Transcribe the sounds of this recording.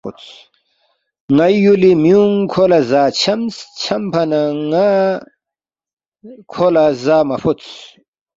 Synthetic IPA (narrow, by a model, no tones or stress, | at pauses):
ṵt͡s | ŋɐjjulimjuŋkʰolazaːt͡ɕʰɐmst͡ɕʰɐmpʰɐnaŋa | kʰolazaːmɐfutt͡s